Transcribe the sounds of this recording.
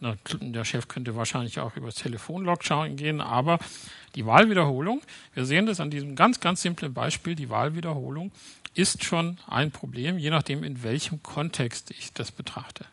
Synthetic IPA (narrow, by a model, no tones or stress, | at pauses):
nadeːɐʃɛfkʰœntəvaːɐʃaɪnlɪça̰ʊxʔy̰ːbɐstʰeləfoːnlɔkʃaʊnɡeːənʔa̰ːbɐd̥iːvaːlviːdɐhoːlʊŋv̥iːɐzeːəndasandiːzəm̩ɡant͡sɡ̥ant͡sz̥ɪmplənba̰ɪʃpiːldiːva̰ːlviːdɐho̰ːlʊŋʔɪstʃoːnʔa̰ɪnpʁ̥obleːmjeːnaχd̥eːmɪnvɛlçəmkʰɔntʰɛkstɪçd̥asb̥ətʁ̥aχtʰə